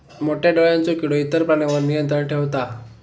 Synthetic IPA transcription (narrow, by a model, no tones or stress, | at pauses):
moʈjaɖoɭjant͡sokiɽoit̪əɾpɾaɳeʋəɾnijənt̪ɾəɳʈʰeʋt̪a